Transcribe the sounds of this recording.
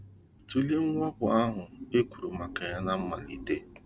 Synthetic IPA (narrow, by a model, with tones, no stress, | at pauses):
tu˨le˦ŋ̩˦ŋʷa˦bʊ˨a˦ɦʊ˨e˦kʷu˨ɾu˨ma˨ka˨ja˦na˦m̩˦ma̰˨lḭ˨te˦